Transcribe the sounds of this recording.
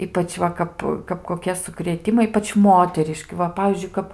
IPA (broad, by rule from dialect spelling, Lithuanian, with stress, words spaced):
ˈiːpɐt͡ʃ ˈʋɐ kɐp kɐp koːˈkʲiɛ sʊkrʲeːˈtʲɪmɐɪ ˈiːpɐt͡ʃ ˈmoːtʲɛrʲɪʃʲkʲɪ ˈʋɐ ˈpɑːʋʲiːzʲd͡ʒʲʊɪ ˈkɐp